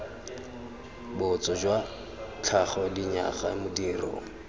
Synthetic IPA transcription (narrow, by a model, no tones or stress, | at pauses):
bʊt͡sɔd͡ʒwa | t͡ɬʰaχɔdiɲa̰χamʊdirɔ̰ːŋ̩